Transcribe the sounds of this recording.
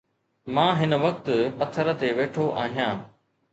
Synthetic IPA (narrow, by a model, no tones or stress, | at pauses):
mãːɦɪnə̆ʋɐk̚t̪pɐt̪ʰːəɾə̆t̪eʋeːʈʰoʔa̰ːɦijãː